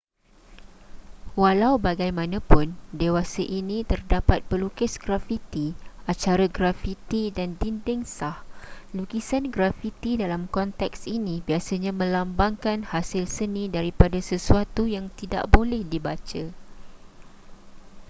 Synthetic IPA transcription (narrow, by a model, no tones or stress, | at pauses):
walawbaɡajmãnãpʊndewasaʔinĩt̪ərdapat̪̚pəlukɪsɡɾafit̪iat͡ʃaɾaɡɾafit̪idandindɪŋsahluɡisanɡɾafit̪idalamkɔnt̪ɛksinĩbiasaɲãmə̃lambaŋkanhasɪlsənĩdaɾipadasəsuat̪ujaŋt̪ida̰ʔbolɛhdibat͡ʃa